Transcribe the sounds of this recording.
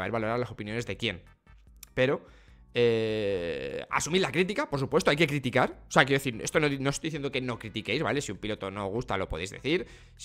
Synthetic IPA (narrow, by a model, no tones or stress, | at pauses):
βeɾβalo̞ɾaɾlaso̞pinjo̞ne̞zðe̞kje̞n | pe̞ɾo̞ | e | a̰sumiɾlakɾit̪ikapo̞ɾs̬upwe̞st̪oajke̞kɾit̪ikaɾo̥seakjeoeθiɾe̞st̪o̞nono̞st̪ojðiθjend̪o̞ke̞no̞kɾit̪ike̞jzβa̰le̞siumpilo̞t̪o̞no̞ɣ̞ust̪a̰lo̞po̞ðejzðe̞̰θiɾ | s